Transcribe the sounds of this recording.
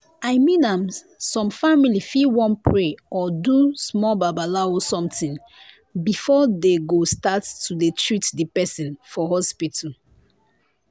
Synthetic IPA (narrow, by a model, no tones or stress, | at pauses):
ajmĩnãm | sɔ̃mfamilifiwɔ̃npʰɹeɔdusmɔlbabalaosɔ̃mtĩŋ | bifɔdeɡostattʰudetʰɹitdipɛsĩnfɔɦɔspitʰal